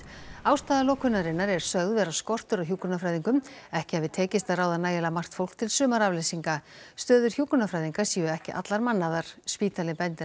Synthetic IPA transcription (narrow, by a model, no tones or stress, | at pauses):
aːwst̪aːðalɔːwkʰʏnːaɾɪnːaɾɛɾ̥sœɣðvɛːɾaskɔr̥t̪ʏɾɔçjuːkʏnafɾajðiŋkʏmɛhcɪavɪðt̪ʰɛːcɪst̪araːwðanaːjɛlamar̥t̪fowl̥kt̪ʰɪlsʏːmaɾavlesiŋkast̪œːðʏɾ̥çjuːkʏnafɾaːjðiŋkḁsiːʏɛhcɪʔa̰t̪laɾmanːaðaɾ̥spiːt̪ʰalɪpɛnt̪ɪ